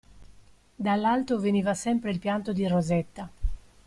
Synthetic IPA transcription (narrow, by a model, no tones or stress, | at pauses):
d̪alːalt̪oveniːvasɛmpɾeilpjant̪od̪irozɛt̪ːa